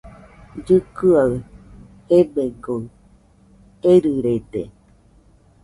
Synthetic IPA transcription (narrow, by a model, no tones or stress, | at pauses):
d͡ʒɨkɨa | ebeɡo | eɾɨɾed̪e